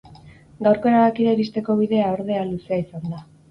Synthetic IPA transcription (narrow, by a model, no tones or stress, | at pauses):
ɡawɾko̞e̞ɾaðakiɾeɾist̪e̞ko̞β̞iðe̞aoɾð̞e̞aluseaisand̪a